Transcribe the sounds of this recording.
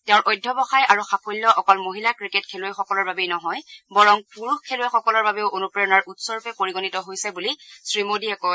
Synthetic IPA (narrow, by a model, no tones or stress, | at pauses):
tɛʊ̃ɹʔɔjdʱːɔbɔxajʔaɹuxapʰojlːɔʔɔkɔlmoɦilakɹiketkʰeluɛxɔkɔlɔɹbabejnɔɦɔjbɔɹɔŋpuɹuxkʰːelʊɛxɔkɔlɔɹbabɛʊʔonupɹeɔnaɹʔutsɔɹpɛpoɹiɡɔnitɔɦojsɛbulisɹimodiɛkɔ